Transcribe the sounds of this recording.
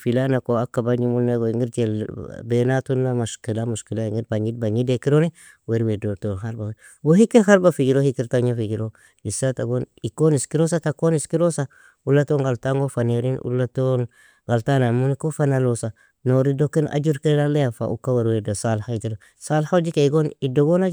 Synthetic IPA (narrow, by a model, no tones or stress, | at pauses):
filanakoakːabaɲimulneɡoŋiɾd͡ʒelbenatunːamaʃkilamuʃkilaŋiɾbaɲidbaɲidekiɾoni | weɾwedotonɦaɾbawe | wohikiɾɦaɾbafid͡ʒiɾohikiɾtaɲafid͡ʒiɾo | isataɡonikoniskiɾosatakoniskiɾosa | ulːatoŋɡaltaŋɡofaneɾinʔṵlːaton | ɡaltanamunikofanalosa | noɾidokina̰d͡ʒuɾkelalejafa̰ʔṵkaweɾwedosalhaitiɾo | salhad͡ʒikaiɡonidoɡonad͡ʒ